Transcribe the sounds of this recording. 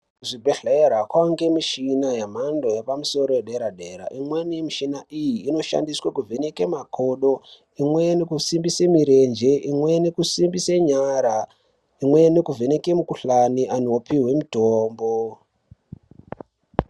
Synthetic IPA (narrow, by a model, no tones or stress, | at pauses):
kuʐibʱeɬeeɾakwaŋɡe̞miʃinajam̤andojapamuso̞ɾo̞jeɗeɾade̞ɾa̰ʔimwenimiʃinaʔijiːno̞ʃa̰ndiswakuvenekemakʰoɗo̞ | imwe̞nekusimbisemiɾe̞nd͡ʒe̞ʔimwe̞nekusimbiseɲaɾa | imwe̞ne̞kuvʱene̞ke̞mukuɬaniʔanoopiwe̞mutoːmbo